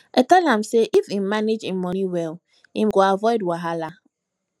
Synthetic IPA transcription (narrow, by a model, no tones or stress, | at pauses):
etɛlɦam̩seʔifim̩maned͡ʒim̩mɔniwɛl | imɡoavɔɪdwaɦala